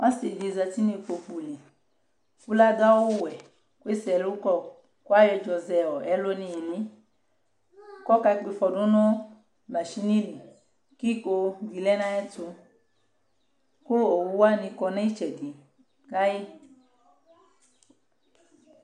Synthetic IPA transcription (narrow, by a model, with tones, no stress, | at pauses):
wa˦se˨di˨za˧ti˦nĩ˧fo˧fu˨li˨ | ku˦la˦ɡa˦wo˦˨wɛ˨ | ku˦e˦sɛ˨lu˦kɔ˦ | ku˦a˦jɔ˧d͡ʒɔ˨zɛ˨ɔ˨ɛ˦lo˦nĩ˧e˨nĩ˦ | kɔ˦ka˧˦k͡pe˧fɔ˨do˦nɔ˦ | la˨ʃi˦nĩ˦li˨ | ki˦ko˧vi˨lɛ˦nã˦ɛ˦tu˧ | ko˦o˨wu˦wa˦nĩ˧kɔ˧na˦i˦t͡ʃɛ˨di˨ | ɡa˦ji˦